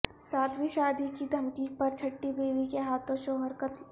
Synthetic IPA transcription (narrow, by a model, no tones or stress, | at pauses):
saːt̪ʰʋiʃaːd̪ikid̪ʱɐmkiːk̚pɐɾt͡ʃʰɐʈːibeːʋikeɦaːt̪ʰõʃoːɦəɾkət̪ʰ